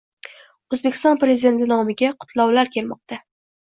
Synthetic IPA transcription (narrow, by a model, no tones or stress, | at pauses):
ɵzbekʲʰɪst̪ɒnpɾe̞zid̪e̞nt̪ɪnɒmɪɡʲaqʰʊ̥t̪ʰlˠɒwlaɾkʲʰe̞lmɒq̚t̪ʰa